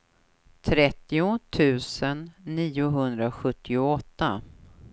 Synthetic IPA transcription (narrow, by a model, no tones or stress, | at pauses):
t̪ʰɾɛt̪ːɪʊt̪ʰʉ̟ːsənːiːʊɦɵnd̪ɾaɧɵt̪ʰːɪʊɔt̪ːa